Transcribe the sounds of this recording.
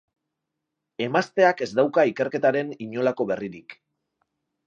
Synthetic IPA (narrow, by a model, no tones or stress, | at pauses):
e̞mast̪e̞ake̞zd̪awkaike̞ɾke̞t̪aɾe̞niɲo̞lako̞βe̞riɾik